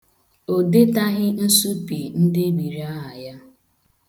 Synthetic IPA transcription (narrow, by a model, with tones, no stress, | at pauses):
o˨de˦ta˦ɣɪ˦n̩˦su˦pi˨n̩˦dɪ˦bi˨ɾi˦a˦ɦa˨ja˦